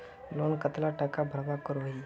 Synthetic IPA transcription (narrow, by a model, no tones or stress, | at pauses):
lonkət̪laʈakabʱəɾbakəɾoi